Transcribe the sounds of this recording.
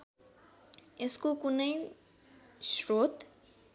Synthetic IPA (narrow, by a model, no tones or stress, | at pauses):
eskokunəj | sɾoːt̪